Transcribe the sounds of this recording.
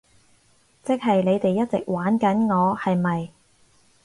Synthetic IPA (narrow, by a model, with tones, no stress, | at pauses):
t͡sɪ˥k̚ɦɐ˨jne˨˧jt̪e˨jːɐ˥t̚t͡sɪ˨k̚waː˨˥nkɐ˨˥nŋɔː˨˧hɐ˨jmɐ˨j